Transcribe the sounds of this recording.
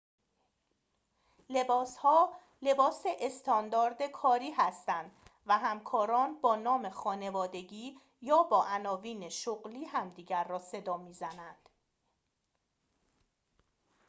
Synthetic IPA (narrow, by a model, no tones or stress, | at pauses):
le̞bɒːshɒː | le̞bɒːseʔest̪ʰɒːnd̪ɒːɾd̪ekʰɒːɾiːhæst̪ænd̪væɦæmkʰɒːɾɒːnbɒːnɒːme̞xɒːne̞vɒːd̪e̞ɟiː | jɒːbɒːʔænɒːviːneʃoɣliːɦæmd̪iːɟæɾːɒːse̞d̪ɒːmiːzænænd̪̥